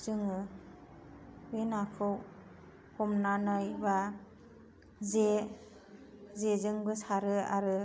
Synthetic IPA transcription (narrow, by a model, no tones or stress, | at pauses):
zɯŋɯ | wenakʰɯw | hʰɔmnanɯjba | ze | zezɯŋbɯsaɾɯaɾɯ